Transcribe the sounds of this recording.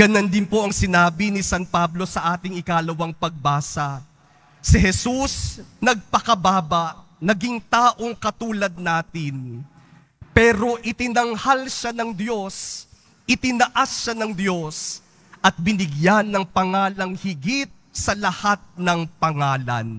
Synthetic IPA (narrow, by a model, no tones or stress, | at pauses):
ɡɐnɐnd̪ɪnpo̞ʔɐŋsɪnaːbinɪsanpablo̞sɐʔaːt̪ɪŋɪkaːlɐwɐŋpɐɡ̚baːsɐ | sɪɦɛsusnɐɡ̚pɐkɐbaːbɐʔ | nɐɡɪŋt̪aːʔo̞ŋkɐt̪uːlɐd̪̚naːt̪ɪn | pɛːɾo̞ʔɪt̪ɪnɐŋhalʃanɐŋd̪jo̞s | ʔɪt̪ɪnɐʔasːanɐŋd̪jo̞s | ʔɐt̪̚bɪnɪɡjanːɐŋpɐŋaːlɐŋhɪɡit̪̚sɐlɐhat̪̚nɐŋpɐŋaːlɐ̰n